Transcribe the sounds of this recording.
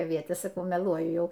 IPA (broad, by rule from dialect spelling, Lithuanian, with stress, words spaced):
ɐˈʋʲiɛtʲeːs sɐˈkɐʊ mʲɛˈlˠuɔjʊ ˈjɛʊ